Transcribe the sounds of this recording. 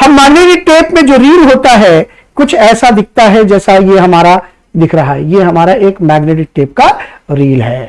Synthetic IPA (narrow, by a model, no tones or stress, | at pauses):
hɐmːɛːɡneːʈɪk̚ʈeːpmẽd͡ʒoːɾiːlɦoːt̪aɦɛ | kʊt͡ʃʰɛːsad̪ɪk̚ʰt̪aɦɛd͡ʒɛːsajeɦɐmaːɾa | d̪ɪkʰɾɐɦaɦɛjeɦɐmaːɾaʔeːkmɛːɡneːʈɪk̚ʈeːp̚kaɾiːlɦɛː